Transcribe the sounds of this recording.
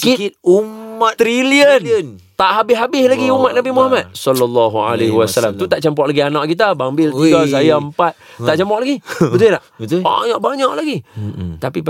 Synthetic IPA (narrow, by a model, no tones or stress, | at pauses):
kit̪umatt̪ɾiliən | t̪aʔɦabɪɦabɪslaɡiumat̪̚nabimuɦamat̪̚sɔlɔlːɔɦua̰leɦwasalamt̪ut̪aʔt͡ʃəmpɔʔlaɡianaʔkit̪̬abambɪlt̪iɡas̬ajaəmpat̪̚t̪aʔt͡ʃəmpɔʔlaɡibət̪ujlaʔt̪ba̰ɲaʔbaɲaʔlaɡit̪api